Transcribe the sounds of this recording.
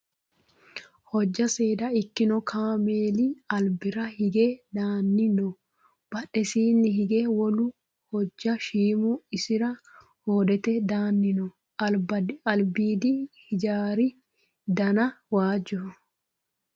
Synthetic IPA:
hɔd͡ʒːɐseːd̪ɐɪkːɪnɔkʰaːmeːlɪɐlbɪɾɐhɪɡeːd̪aːnːɪnɔ | b̥ɐᶑɛsiːnːɪɦɪɡeːwɔlʊ | hɔd͡ʒːɐʃiːmuɪsɪɾɐ | hoːd̪ɛt̪ɛd̪aːnːɪnɔ | bɐɐlbiːd̪ihɪd͡ʒaːɾɪ | d̪ɐnɐwaːd͡ʒʊ

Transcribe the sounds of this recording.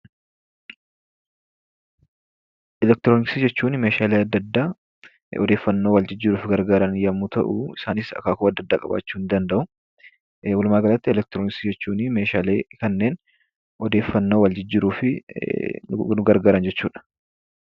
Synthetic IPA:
ʔɛlɛk̚t̪ɪɾoːnɪksid͡ʒɛt͡ʃːuːnmeːʃaːleːɐd̪ːɐd̪ːaː | ɔ̰d̪eːfːɐnːo̞ːwɐld͡ʒɪd͡ʒːɪɾuːfɡɐɾɡaːɾɐnjɐmːuːt̪ɐ̰ʔʊ̰ɪsaːnɪsɐ̰kaːkʊɐd̪ːɐd̪ːaːkʼɐ̰ba̰ːt͡ʃːuːnd̪ɐnd̪ɐʔʊ | wɔlʊmaːɡɐlɐt̪ːɪɛlɛk̚t̪ɾonɪksid͡ʒɛt͡ʃːuːnɪme̞ːʃaːleːkɐnːeːn | ɔd̪eːfːɐnːoːwɐld͡ʒɪd͡ʒːɪɾuːfɪ̰ | nʊɡɐɾɡaːɾɐnd͡ʒɛt͡ʃːuːᶑɐ̥

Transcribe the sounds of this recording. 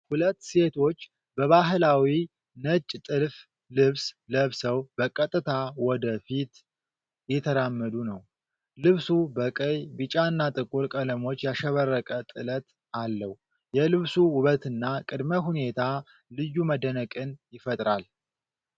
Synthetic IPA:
hulət̪ːse̞t̪ʰo̞t͡ʃː | bəβaɦɨlawi | nət͡ʃʼːt̪ʼɨlf | lɨβsləβsəwbəkʼət̪ʼːɨt̪ʰawɔd̪əfit̪ | jɛt̪ʰəɾamːəd̪unəw | lɨβsubəkʼəjbɨt͡ʃʼaɨnːat̪ʼɨkʼuɾkʼələmo̞t͡ʃːjaʃɛβərːəkʼət̪ʼɨlət̪ | alːəhu | jɛlɨβsuwʊβət̪ʰɨnːakʼɨd̪məɦune̞t̪ʰa | lɨjːuməd̪ənəkʼɨnjɪfət̪ʼɾal

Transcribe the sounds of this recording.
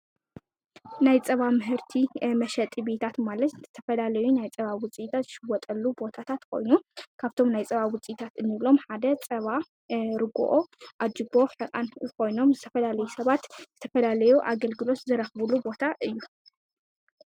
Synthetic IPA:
najt͡sʼɐβamɨɦɨɾt̪ʰimɐʃɐt̪ʼibe̞t̪ʰat̪malɐt̪z̥ɨt̪ʰɐfɐlalɐjunajt͡sʼɐβawʊt͡sʼit̪ʰat̪zɨʃɨwɔt̪ʼɐlːubo̞t̪ʰat̪ʰat̪kʰo̞̰jnukʰaβt̪ʰo̞mnajt͡sʼɐβawʊt͡sʼiit̪ʰat̪ɨnːɨβlo̞mħad̪ɐt͡sʼɐβa | ɾɨɡṵʔo̞ʔad͡ʒɨbo̞ħɨkʼa̰nkʰo̞jno̞mzɨt̪ʰɐ̥fɐlalɐjusɐβat̪zɨt̪ʰɐfɐlalɐjuʔaɡɐlɡɨlo̞t̪zɨɾɐxβulubo̞t̪ʰaʔɨjːu

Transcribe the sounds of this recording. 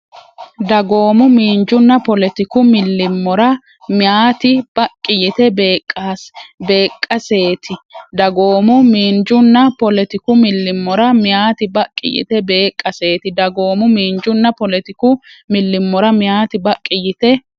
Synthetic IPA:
d̪ɐɡo̞ːmʊmiːnd͡ʒʊnːɐpɔlɛt̪ɪkʊmɪlːɪmːɔɾɐ | mjaːt̪ɪb̥ɐkʼːɪjɪt̪ɛbeːkʼaːsbe̞ːkʼːɐse̞ːt̪ɪd̪ɐɡo̞ːmʊmiːnd͡ʒʊnːɐpɔlɛt̪ɪkʊmɪlːɪmːɔɾɐmɪjaːt̪ɪbɐkʼːɪ̰jɪ̰t̪ɛbe̞ːkʼːɐse̞ːt̪ɪd̪ɐɡo̞ːmʊmiːnd͡ʒʊnːɐpɔlɛt̪ɪkʊmɪlːɪmːɔɾɐmɪjaːt̪ɪbɐkʼːɪjɪt̪ɛ

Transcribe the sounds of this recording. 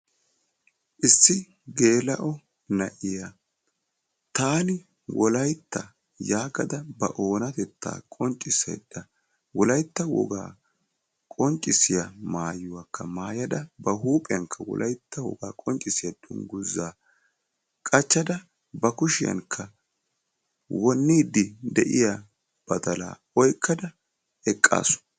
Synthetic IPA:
ʔɪsːɪ | ɡe̞ːlɐʔɔ | nɐʔɪjɐ | t̪aːnɪ | wɔlɐjt̪ːɐ | jaːɡɐd̪ɐbɐ̰ʔo̞ːnɐt̪ɛt̪ʰːa̰ːkʼɔnt͡ʃʼːɪsḛd̪̥ːɐ | wɔlɐjt̪ːɐwɔ̰ɡa̰ː | kʼɔnt͡ʃʼːɪsɪjɐmaːjʊwakʰːɐmaːjɐd̪ɐbɐɦuːpʼɛjɐŋkʰːɐwɔ̰lʔɐjt̪ːɐwɔ̰ɡaːkʼɔnt͡ʃʼːɪsɪjɐd̪ʊŋɡʊzːaː | kʼɐt͡ʃːɐd̪ɐ | bɐkʊʃɪjɐ̰ŋkʰːɐ | wɔnːiːd̪ɪd̪ɛʔɪjɐ | b̥ɐd̪ɐla̰ː | ɔjkʰːɐd̪ɐ | ɛkʼːa̰ːsʊ̥

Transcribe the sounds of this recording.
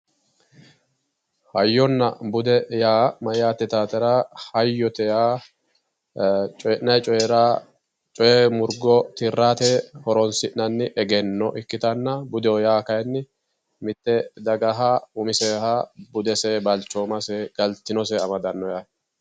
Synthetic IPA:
hɐjːɔnːɐbʊd̪ɛjaːmɐjaːt̪ːɛt̪aːt̪ɛɾahɐjːɔt̪ɛjaː | t͡ʃʼɔjɛʔnɐjt͡ʃʼɔɛɾa | t͡ʃʼɔjɛmʊɾɡɔt̪ɪrːaːt̪ɛhɔɾɔnsɪʔnɐnːɪʔɛɡɛnːɔʔɪkːɪt̪ɐnːɐbʊd̪ɛɔjaːkɐjnːɪ | mɪt̪ːɛd̪ɐɡɐɦɐʊmɪsɛːhɐbʊd̪ɛsɛbɐlt͡ʃːɔːmɐsɛɡ̥ɐlt̪ɪnɔs̬ɛɐmɐd̪ɐnːɔjaː

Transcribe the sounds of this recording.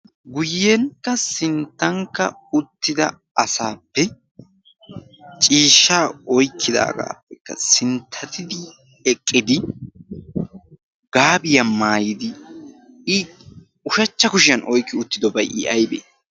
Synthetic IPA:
ɡʊjːeŋkːɐsɪnt̪ːɐŋkːɐ̰ | ʊt̪ːɪd̪ɐ̰ | ɐsaːpːɛ | t͡ʃʼiːʃːaːɔjkʰːɪd̪a̰ːɡa̰ːpːɛkːɐ̰sɪnt̪ʰːɐt̪ʰɪd̪ɪ | ɛkʼːɪd̪ɪ | ɡaːbɪjɐmaːjɪd̪ɪ | ɪ | ʊʃɐt͡ʃːɐkʊʃɪjɐnʔɔjkːɪʊt̪ːɪd̪ɔbɐjʔɪʔɐjbḛː

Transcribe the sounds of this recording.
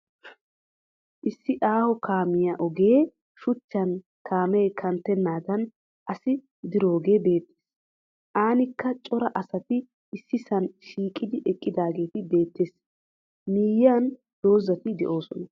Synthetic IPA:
ʔɪsːɪʔaːhɔkaːmɪjɐʔɔɡe̞ː | ʃʊt͡ʃːɐn | kʰaːmejkʰɐnt̪ːɛnːaːd̪ɐn | ʔɐsɪ | d̪ɪɾo̞ːɡe̞ːbe̞ːt̪ːe̥ːs | ʔaːnɪkːɐt͡ʃʼɔɾɐʔɐsɐt̪ɪ | ɪsːɪsɐnʃiːkʼːɪd̪ɪʔɛkʼːɪd̪aːɡe̞ːt̪ɪbe̞ːt̪ːeːs | miːjan | d̪̥o̞ːzɐt̪ɪd̪ɛ̰ʔo̞ːsɔnɐ

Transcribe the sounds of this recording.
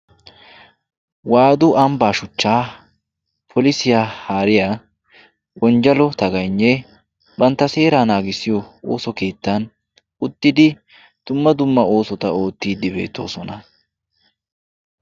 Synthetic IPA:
waːd̪ʊʔɐmbaːʃʊt͡ʃːaː | pʰɔlɪsɪjahaːɾɪjaː | wɔnd͡ʒɐlɔt̪ɐɡɐjnːɛ | bɐnt̪ːɐse̞ːɾaːnaːɡɪsɪjɔo̰ːsɔke̞ːt̪ːan | ʊt̪ːɪd̪ɪ | d̪̥ʊmːɐd̪ʊmːɐo̞ːsɔt̪ɐo̞ːt̪ːiːd̪ɪbe̞̰ːt̪ːo̞̰ːsɔnɐ

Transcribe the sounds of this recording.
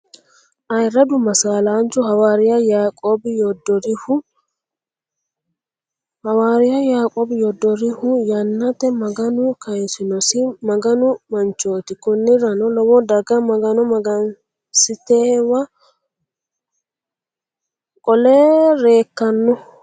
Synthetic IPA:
ʔɐjɪɾɐd̪ʊmɐsaːlaːnt͡ʃʊhɐwaːɾɪjɐjaːkʼoːbɪjɔd̪ɔɾɪhʊ | hɐwaːɾɪjɐjaːkʼoːbɪjɔd̪ːɔɾɪhʊjɐnːɐt̪ɛmɐɡɐnʊkɐɪnsɪnɔsɪmɐɡɐnʊmɐnt͡ʃoːt̪ɪkʊnːɪɾɐnɔlɔwɔd̪ɐɡɐmɐɡɐnɔmɐɡɐn | sɪt̪eːwɐ | kʼɔleːɾeːkːɐnːʊ

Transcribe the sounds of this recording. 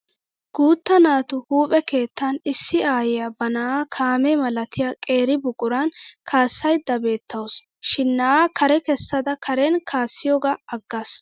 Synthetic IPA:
ɡ̥uːt̪ːɐnaːt̪ʊhuːpʼɛke̞ːt̪ːɐnɪsːɪaːjɪjabɐnaaːkʰaːmɛmɐlɐt̪ɪjaːkʼe̞ːɾɪbʊɡʼʊɾankʰaːsːɐjd̪ːɐbe̞ːt̪ʰːɐws | ʃɪnːɐaːkɐɾɛkɛsːɐd̪ɐkʰɐɾɛnkʰaːsːɪjoːɡaɐɡːas

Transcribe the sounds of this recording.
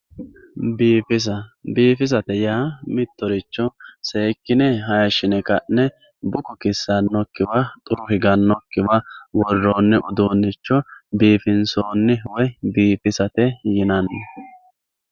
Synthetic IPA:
biːfɪs̬ɐbiːfɪs̬ɐt̪ɛjaːmɪt̪ːɔɾɪt͡ʃːɔseːkːɪnɛɦɐjɐʃɪnɛkɐʔɛ | bʊkɔkɪsːɐnːɔkːɪwɐt̪ʼʊɾʊhɪɡɐnːɔkːɪwɐwɔrːoːnːɛʔʊd̪oːnːɪt͡ʃːɔbiːfɪnsoːnːɪwɔjbiːfɪsɐt̪ɛjɪnɐnːɛ

